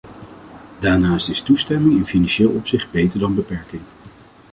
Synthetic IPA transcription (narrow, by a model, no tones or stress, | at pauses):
daːɹnaːstɪstustɛmɪŋɪnfinɑnʃeːlˠɔpsɪχd̚bejtəɹdɑnbəpɛɹkɪŋ